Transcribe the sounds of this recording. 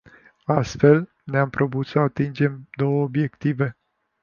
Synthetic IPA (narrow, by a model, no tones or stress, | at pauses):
ast̪fe̞l | neampɾo̞but̪səat̪ind͡ʒe̞md̪o̞wəobje̞kt̪ive̞